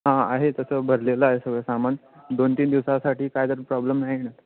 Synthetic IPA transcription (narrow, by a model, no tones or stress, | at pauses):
ɦãaɦet̪əsəːbʱəɾleləaɦesəɡɭəsamand̪ont̪iːnd̪iʋsasaʈʰiːkajd̪əɾpɾɔbləmnaɦinat̪